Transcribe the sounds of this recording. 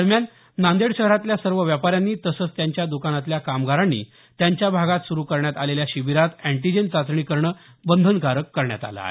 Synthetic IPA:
əɾmjanː | ãnd̪eɽɕəɦəɾat̪ljasəɾʋəʋjapaɾjanːiːt̪əsət͡st̪jaɲt͡ɕjad̪ukanat̪ljakamɡaɾanːḭ | t̪jaɲt͡ɕjabʱaɡat̪suɾuːkəɾɳjat̪aleljaɕiʋiɾat̪æɳʈid͡ʑent͡sat͡sɳiːkəɾɳə | bənd̪ʱənkaɾəkːəɾɳja̰t̪a̰la̰e

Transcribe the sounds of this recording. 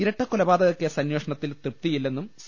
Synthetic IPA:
iɾɐʈːɐkːulɐbaːd̪ɐɣɐkːesɐnjo̞ːʂɐɳɐt̪ːilt̪rip̚t̪ijilːe̞nːums

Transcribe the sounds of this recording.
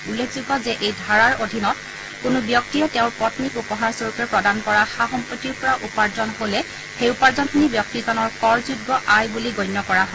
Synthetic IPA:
ulːekʰzuɡɔzɛʔejdʱaɹaɹodʱinɔt̚ | kʊnʊbjɔktijɔtɛʊ̃ɹpɔtnikupɔɦaɹsoɹukɛɹpɹɔdankɔɹaxaxɔmpɔtːiɹpɔɹaʔupaɹzɔnɦolɛ | xejupaɹzɔnkʰinibjɔk̚tizɔnɔɹkɔɹzudɡɔʔajbuliɡɔjnjɔkɔɹaɦɔ

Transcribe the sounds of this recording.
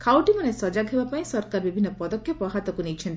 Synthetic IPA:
kʰawʈimanesɔd͡ʒaɡɦebapaĩsɔɾkaɾbibʱinːɔpɔd̪ɔkʰːjɔpɔɦat̪ɔkunit͡ʃʰɔnt̪i̥

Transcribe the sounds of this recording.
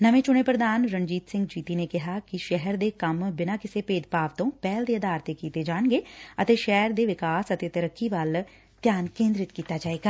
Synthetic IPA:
nəʋẽːt͡ʃʊɽ̃eːpɾəd̪aːnɾənd͡ʒiːt̪sɪ̃ŋɡd͡ʒiːt̪iːneːkɪɦaːkɪʃɛɦəɾd̪eːkəmbɪnãːkɪseːpeːd̪paːʋt̪õːpɛːld̪eːəd̪aːɾt̪ekiːt̪eːd͡ʒaːɳɡeːət̪eːʃɛɦɾd̪eːʋɪkaːsət̪eːt̪əɾəkːiːʋəl | t̪jaːnkẽːnd̪ɾɪt̪kiːt̪aːd͡ʒaːeːɡaː

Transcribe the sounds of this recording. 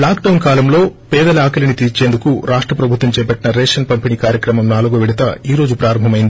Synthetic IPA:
laːkɖɐwnkaːlɐmlo̞ːpɛːd̪ɐlɐaːkɐlinit̪iːɾt͡ʃeːnd̪ukuɾaːʂʈɾɐpɾɐbʱut̪ʋɐmt͡ʃɛːpɐʈːinɐɾɛːʂɐnpɐmpiniːkaːɾjɐkɾɐmɐmnaːluɡɐʋiɽit̪ɐiːɾo̞ːd͡ʒupɾaːɾɐmbʱɐmɐjind̪ii

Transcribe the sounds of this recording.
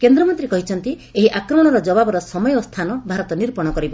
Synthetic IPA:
kend̪ɾɔmɔnt̪ɾikɔɦit͡ʃʰɔnt̪i | eɦiʔakɾɔmɔɽ̃ɔɾɔd͡ʒɔbabɔɾɔsɔmɔjɔst̪ʰanɔbʱaɾɔt̪ɔniɾpɔɽ̃ɔkɔɾibɔ

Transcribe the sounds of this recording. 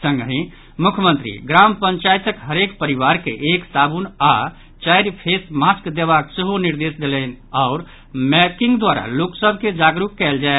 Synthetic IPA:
sə̃ŋɡɦĩ | mukʰjəmə̃nt̪ɾḭɡɾampəɲt͡ʃajt̪əkɦəɾekpəɾiʋaɾkḛʔeksabuna | t͡ʃajɾpʰesmaskd̪eβakseɦoniɾd̪esd̪elɛnaʊɾ | mɛkiŋɡd̪waɾa̰loksəbʱked͡ʒaɡɾukːɛld͡ʒae

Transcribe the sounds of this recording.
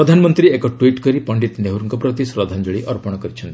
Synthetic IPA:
pɾɔd̪ʱanɔmɔnt̪ɾiekɔʈwiʈkɔɾipɔɳɖit̪neɦuɾuŋkɔpɾɔt̪̬isɾɔd̪ʱand͡ʒɔɭiʔɔɾpɔɽ̃ɔkɔɾit͡ʃʰɔnt̪ii

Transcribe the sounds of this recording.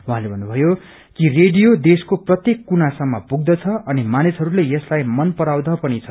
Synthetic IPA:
wuɦãlebʱʌnːubʱʌjo | kireɖijod̪eskoprʌt̪jekːunasʌmːʌpuɡ̚d̪ʌt͡sʰʌʌnimanisɦʌɾulejʌslajmʌnpʌɾawd̪ʌpʌnit͡sʰʌ̥

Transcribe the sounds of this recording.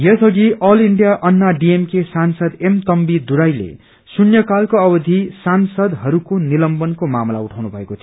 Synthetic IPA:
jʌsʰʌɡiʔʌliɳɖijaʔʌnːaɖiemkesansʌd̪emt̪ʌmbid̪uɾajlḛ | sunjʌkalkoʌbʌd̪ʱisansʌd̪ɦʌɾukonilʌmbʌnkomamla̰uʈʰawnubʱʌekot̪ʰ

